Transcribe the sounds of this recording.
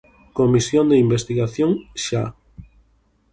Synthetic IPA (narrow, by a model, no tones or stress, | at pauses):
komisjond̪eimbest̪iɣaθjõŋʃa